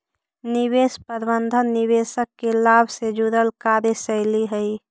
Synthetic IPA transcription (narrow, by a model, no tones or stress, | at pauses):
niwespəɾbənd̪ʱənːiʋesəkːelaːbʱsed͡ʒuɾəlkaɾesəɪliɦəi